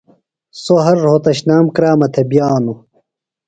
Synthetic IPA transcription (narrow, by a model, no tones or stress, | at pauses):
soɦɐɾːoːt̪ɐɕnaːmkɾaːmɐt̪ʰebijaːnu